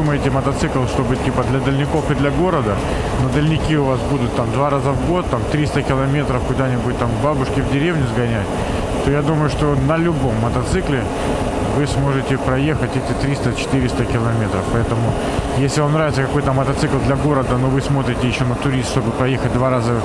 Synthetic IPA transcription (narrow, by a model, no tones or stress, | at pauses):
uməɪtʲɪmət̪ɐt̪sɨklˠʂt̪o̞bɨtʲipəd̪lʲɐd̪əlʲnʲɪko̞fɨd̪lʲɐɡo̞ɾəd̪ə | nəd̪əlʲnʲɪkʲiʊvasbud̪ʊt̪ːamd̪vaɾazəvɡo̞t̪ːamt̪ɾʲist̪əkʲɪlˠɐmʲe̞t̪ɾəfkʊd̪anʲɪbʊtʲt̪amvbabʊʂkʲɪvdʲɪɾʲevnʲʊzɡɐnʲætʲ | t̪ojad̪uməjʊʂt̪o̞nəlʲʊbo̞mːət̪ɐt̪sɨklʲɪ | vɨsmo̞ʐɨtʲɪpɾɐje̞xətʲɛtʲɪt̪ɾʲist̪ət͡ɕɪ̥t̪ɨɾʲɪst̪əkʲɪlˠɐmʲe̞t̪ɾəfpɐɛt̪əmʊ | jesʲlʲɪvamnɾavɪt̪səkɐko̞jt̪əmət̪ɐt̪sɨklˠd̪lʲɐɡo̞ɾəd̪əno̞vɨsmo̞t̪ɾʲɪtʲɪjɪɕːonət̪ʊɾʲist̪ʂt̪o̞bɨpɾɐjexət̚ʲd̪vaɾazə